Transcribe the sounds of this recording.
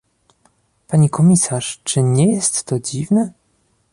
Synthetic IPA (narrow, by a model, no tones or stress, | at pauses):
paɲikʰɔmʲisaʂt͡ʂɘɲɛjɛst̪ːɔd͡ʑivnɛ